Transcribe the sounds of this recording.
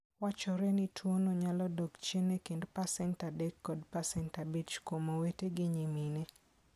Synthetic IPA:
wat͡ʃɔɾɛnɪtʰwonoɲalɔdɔɡt͡ʃenekendpasɛntadɛkːɔdpasɛntabit͡ʃkomoweteɡɪɲimine

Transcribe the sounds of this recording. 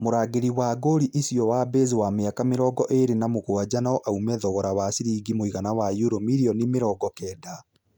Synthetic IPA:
moɾaːɡeɾiwaɡoɾiʔisiɔwaːbezewameakameɾɔːɡɔʔeɾenamoɣoad͡ʑanaɔʔaumɛðɔɣɔɾaβasiɾiːɡimoiɣanawajuɾomiɾiɔnimeɾɔːɡɔkɛːda

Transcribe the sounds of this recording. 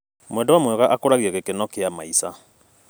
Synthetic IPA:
mwɛndɔwamwɛɣaʔakoɾaɣiɛɣekenɔkeamaisa

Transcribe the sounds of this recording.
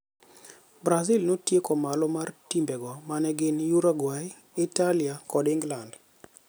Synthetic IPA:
bɾazilnotjekɔmalɔmartimbɛɡɔmanɛɡɪnjuɾaɡwai | ɪtaliakɔdɪŋɡland

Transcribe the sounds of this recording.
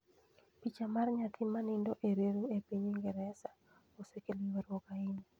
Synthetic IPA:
pit͡ʃamarɲat̪ʰɪmanɪndoʔeɾeɾuepiɲiŋɡɛɾɛsa | osekeliwaɾwɔkaɪni

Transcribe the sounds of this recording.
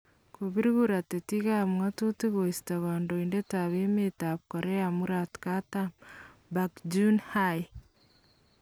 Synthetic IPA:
koβiɾiɣuɾatetiɣamwatuteɣoisi̥taβaːndoindetaβemetaβkoɾeamuɾatkatambakd͡ʒunhaj

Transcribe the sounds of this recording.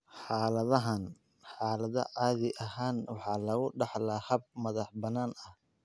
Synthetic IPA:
ħɑːlɐðɐɦɐn | ħɑːlɐðɐ̰ʕɑːðɪʔɐɦaːnwɑħɑːlɐɣʊɖɑħlahɐb̚mɐðɑħbɐnaːnɐh

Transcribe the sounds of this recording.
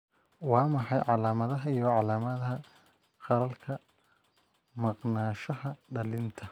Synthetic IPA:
wɑːmɑħɑjʕɑlaːmɐðɐɦɐijɔʕɑlaːmɐðɐɦɐ | qɑɾɐlkʰɐ | mɑqnaːʃɐhɐɖɐlɪnt̪ʰɐ

